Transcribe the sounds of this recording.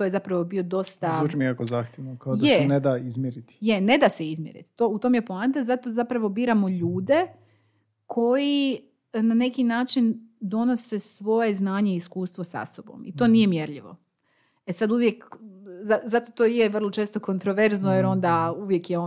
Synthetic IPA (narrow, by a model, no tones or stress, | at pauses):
t̪oje̞zapɾaʋo̞bio̞d̪o̞st̪aut͡ʃimikakozaːxt̪jeʋnokaoj̪d̪esened̪aːizmʲjeɾit̪jene̞d̪aseizmjeɾḭt̪t̪oːut̪omjepoant̪azat̪ozapɾaʋo̞biːɾamo̞ʎuːd̪e̞ | kʰo̞ji | nane̞kinaːt͡ʃind̪o̞no̞sesʋo̞je̞znaːɲe̞iiskuːst̪ʋosa̰sobo̰mit̪o̞ːnije̞mje̞ɾʎiʋo̞̰ | esad̪uʋje̞kzazat̪ot̪oːjeʋər̩lˠot͡ʃe̞ːst̪o̞ko̞nt̪ɾoʋe̞ɾznojeɾo̞nd̪auʋje̞kjeo